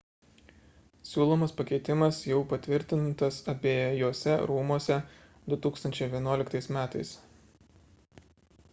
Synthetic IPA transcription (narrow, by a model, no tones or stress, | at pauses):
sʲuːlˠoːmɐspɐkʲɛɪt̪ʲɪmɐsjɛʊpɐt̪ʲʋʲɪɾʲt̪ʲɪnt̪ɐsɐpʲiːjoːsʲɛɾuːmuɔsʲɛ | d̪ʊt̪uːkst̪ɐnʲt͡ʃʲɛɪʋʲiɛnuɔlʲɪkt̪ɐɪsmʲæːt̪ɐɪs